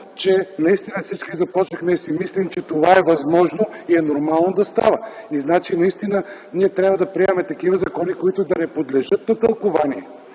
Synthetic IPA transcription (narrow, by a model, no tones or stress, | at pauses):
t͡ʃɛnɐist̪inəfsit͡ʃkizɐpɔt͡ʃnɐxnɛsimislʲimt͡ʃɛt̪ovaɛvɐzmɔʒnoiɛnoɾmalˠnod̪ɐst̪a̰vəiznat͡ʃinɐist̪inə | niɛt̪ɾʲabvəd̪ɐpɾiɛmɛt̪ɐkivəzɐkɔnikoit̪ʊd̪ɐnɛpod̪lɛʒɤt̪nɐt̪əlˠkovaniɛ